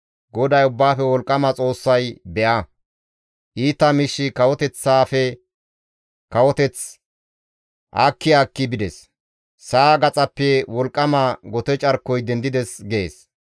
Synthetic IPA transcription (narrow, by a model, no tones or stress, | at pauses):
ɡɔd̪ɐjʊbːaːfɛwɔlkʼːɐmɐt͡sʼo̞ːsːɐjbɛʔɐ | ʔiːt̪ːɐmɪʃːɪkɐwɔt̪ɛt͡sːaːfɛ | kɐwɔt̪ɛt͡s | ʔa̰ːkːɪaːkːɪbɪd̪ɛs | saːɡɐt͡sʼɐpːɛwɔlkʼːɐmaɡɔt̪ɛt͡ʃʼɐɾkːɔjd̪ɛnd̪ɪd̪ɛsɡeeːs